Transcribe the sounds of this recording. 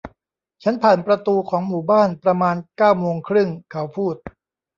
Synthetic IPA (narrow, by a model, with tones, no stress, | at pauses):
t͡ɕʰa˦˥npʰaː˨˩npɾa˧t̪uː˧kʰɔː˩˦ŋmuː˨˩baː˥˩npɾa˧maː˧nkaː˥˩wmoː˧ŋkʰɾɯ˥˩ŋkʰa˩˦˥wpʰuː˥˩t̪̚